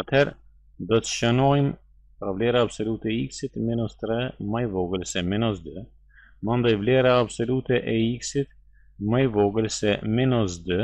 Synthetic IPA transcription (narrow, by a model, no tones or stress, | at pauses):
at̪hɛɾ | d̪ɔt̪ə̥ʃənɔjm | pɾavlɛɾaːbsɔlut̪ɛiksit̪minɔst̪ɾɛmajvɔɡəlsɛminɔsd̪y | mənd̪ɔjvlɛɾaːbsɔlut̪ɛʔɛiksit̪ | majvɔɡəlsɛminɔsd̪ə